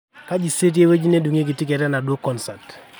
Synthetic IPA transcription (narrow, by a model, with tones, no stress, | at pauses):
ka˦d͡ʒi˨se˦t̬i˦e˦we˦d͡ʒi˦ne˦du˨ŋe˦k̬i˨ti˦k̬ɛ˨tɛ˦na˨do˦kɔ˦nsa˨t